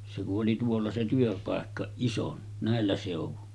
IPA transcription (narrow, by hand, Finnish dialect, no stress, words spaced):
se kuʔ ʔoli tuolːɑ se tyøpɑˑekːɑ ison næˑelːæ seˑuʋun